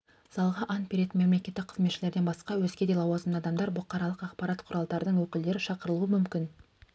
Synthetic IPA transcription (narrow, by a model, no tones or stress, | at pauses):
sɑlˠʁɑʔɑnt̪bʲeɾe̞t̪nme̞mle̞kʲe̞t̪ːɪk̚qʰəzme̞t̪ʃɪle̞ɾd̪e̞nbɑsqɑwɵzkʲe̞d̪elˠɑwɑzənɑd̪ɑmd̪ɑɾbʊqːɑɾɑlˠəqɑqpɑɾɑt̪qʰʊɾɑlˠd̪ɑɾəd̪əɴwɵkʲɪld̪e̞ɾɪʃɑqəɾəlˠuwəmʏmkʲɪn